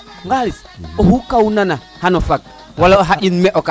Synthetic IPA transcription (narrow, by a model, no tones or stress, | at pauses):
ŋɡalis | ohukawunana | hanofak̚ | waloɦaʔinmeʔoka